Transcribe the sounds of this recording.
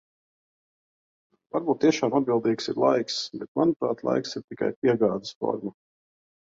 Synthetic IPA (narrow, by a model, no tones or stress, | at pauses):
vaɾbuːt̪ːiɛʃaːmad̪̚bilˠd̪iːksḭɾlˠajksbɛt̪̚manupɾaːt̪lˠa̰jksiɾt̪ika̰jp̚ʲiɛɡaːd̪əsfɔ̰ɾma